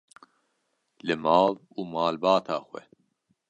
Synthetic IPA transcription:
lɨmɑːl | uːmaːlbɑːt̪ʰaːxwɛ̰

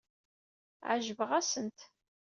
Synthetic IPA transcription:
ʕa̰ʒəvəʁæsənt̪

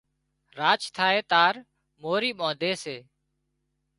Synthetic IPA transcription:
ɾaːt͡ʃt̪ʰaːeːt̪aːɾ | moːɾiːɓõːd̪ʱeːseː

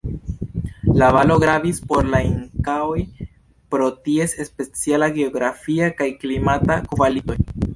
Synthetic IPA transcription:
lavalo̞ɡɾavispo̞ɾlaiŋkaoj | pɾo̞tie̞se̞spe̞t͡sialaɡe̞o̞ɡɾafiakajklimatakvalito̞j

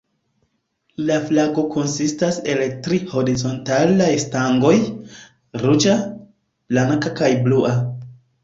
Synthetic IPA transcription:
laflaɡo̞kʰo̞nsistase̞ltɾiho̞ɾizo̞ntalajstaŋɡo̞j | ɾut͡ʃa | b̥laŋkakajbluʔa

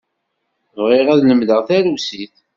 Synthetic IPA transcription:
vʁiʁæðləmləʁθæɾusiθ

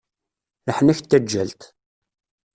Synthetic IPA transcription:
ləħnæçt̪ːæd͡ʒːæ̰lt̪

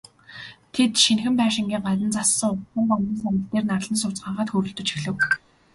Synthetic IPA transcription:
t̪ʰet̪ʃinxɘ̆mpæːʃɪ̆ŋɡʲiːŋɢat̪ə̆nt͡sasːə̆ŋʊχə̆mpɔɮiːnsænʲɪ̆ɬt̪eːrnarɮə̆nsʊt͡sɢaːɴʁaːt̪xɵɾɵ̆ɬt̪ɵ̆t͡ɕi̥xɮɘ̆w

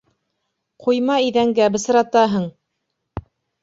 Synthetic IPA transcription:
qʰujmɑiðæŋɡæbɘ̆sɤ̆ɾɑt̪ɑɦɤɴ

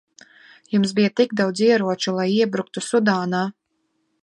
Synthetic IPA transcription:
jumsbijat̪iɡd̪awd̪ziɛɾuɔt͡ʃulˠajiɛbɾuk̚t̪usud̪aːnaː

